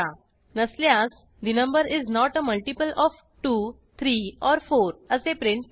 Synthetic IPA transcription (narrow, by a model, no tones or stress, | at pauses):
a | nəsljãs | d̪inə̃mbəɾiznɔʈəməlʈipəlʔɔf | ʈu | t̪ʰɾiːɔɾfoɾəsepɾɪ̃ɳʈ